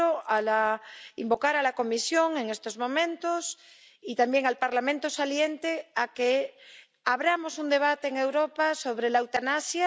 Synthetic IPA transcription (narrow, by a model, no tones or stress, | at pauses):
oalaimbo̞kaɾalako̞misjo̞ŋe̞ŋest̪ozmõ̞mẽ̞nt̪os | it̪ambjeŋalpaɾlamẽnt̪osaljent̪eake | aβɾamo̞sund̪e̞β̞at̪eːŋe̞wɾopaso̞βɾelawt̪anasja